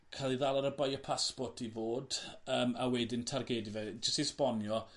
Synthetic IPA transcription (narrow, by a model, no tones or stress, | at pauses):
kʰalˠiðalˠaɾəbajɔpʰaspɔtʰivoːdəːmawɛdɪntʰarɡɛdivɛd͡ʒəstispɔnjɔ